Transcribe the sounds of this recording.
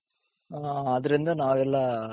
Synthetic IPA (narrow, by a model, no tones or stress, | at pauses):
aːɐðɯɾɪnd̪ɯnaːʋɛlːaː